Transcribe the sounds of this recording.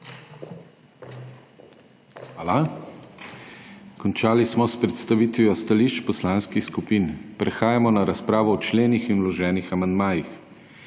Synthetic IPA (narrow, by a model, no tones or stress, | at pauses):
xaːla | kɔnt͡ʃaːlismɔspɾɛt̪st̪aʋiːt̪ʋiɔst̪aliːʃt͡ʃpɔslaːnskixskupinpɾɛxaːjamɔnaɾaspɾaːʋɔːt͡ʃleːnixinwlɔʒɛːnixamand̪maːjix